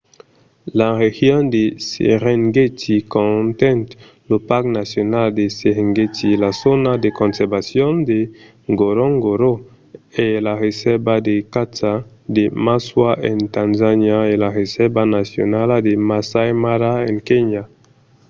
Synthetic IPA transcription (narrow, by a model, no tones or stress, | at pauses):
laɾexjõnd̪esḛʁeŋɡetikõnt̪ɛ̃nt̪ | lopaknasjonald̪eseɾeŋɡetilasonad̪ekõnsɛɾbasjond̪e | ŋɡoɾoŋɡoɾo | elaɾesɛɾbad̪ekata | d̪emaswaʔẽnt̪anzanjaelaɾesɛɾbanasjo̰nald̪emasajmaɾaẽŋkeɲa